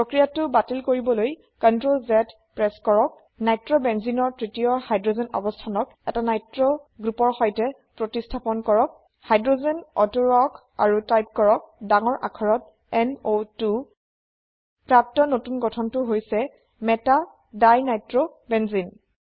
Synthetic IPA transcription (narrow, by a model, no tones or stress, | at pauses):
pɹokɹijatʊbatilkoɹibɔloj | kɔntɹolzɛt | pɹɛskɔɹɔk̚ | najtɹɔbɛnzinɔɹtɹitijɔhajdɹozɛnɔ̰bɔstʰanɔkɛtanajtɹɔɡɹupɔɹxɔjtɛ | pɹotistʰapɔnkɔɹɔk̚ | hajdɹozɛnɔtuɹɔk | a̰ɹutajp̚kɔɹɔk̚daŋɔɹʔa̰kʰɔɹɔt̚ | ɛnotu | pɹap̚tɔnotunɡɔtʰɔntʊɦojsɛ | mɛta | dajnajtɹobɛnzin